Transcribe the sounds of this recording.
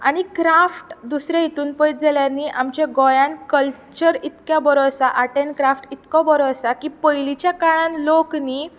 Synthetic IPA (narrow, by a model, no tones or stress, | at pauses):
a̰ɽ̃ikɾafʈd̪usɾẽjet̪uːnpəjt̪d͡zeljaniːʔamt͡ɕeɡɔjãnkəlt͡ɕəɾit̪kjabəɾosaʔaʈenkɾafʈit̪kɔbəɾoəsakiːpəjlit͡ɕjakaɭãnlokniː